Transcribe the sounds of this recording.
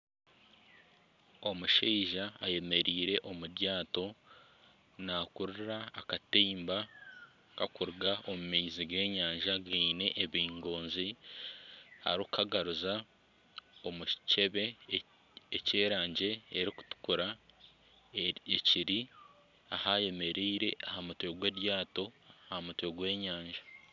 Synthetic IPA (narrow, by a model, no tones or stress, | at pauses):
omuʃiːʒaːje̞me̞ɾiːɾe̞ʔo̞muɾjaːto̞ | naːkuɾɾaːkateːmba | kakuɾuɡaʔomumeiziɡe̞ːɲaːɲʒaɡiːne̞ʔːβiːŋɡo̞ːnzi | ha̰ɾukaɡaɾuza | o̞muce̞βe̞ | ece̞ːɾaːɲɟe̞ːɾiku̥tu̥kuɾa | eciɾi | ahaje̞me̞ɾiːɾe̞ʔahamutwe̞ɡweːɾjaːto̞ahamutweɡwe̞ːɲaːɲʒa